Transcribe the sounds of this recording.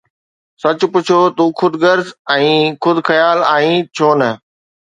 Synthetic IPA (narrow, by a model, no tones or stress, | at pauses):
sɐt͡ɕʊ̆pʊt͡ɕʰoːt̪uːxʰʊd̪ɡəɾzɛ̃ːxʊd̪ʱxɐjaːlaːĩːt͡ɕʰoːnɐ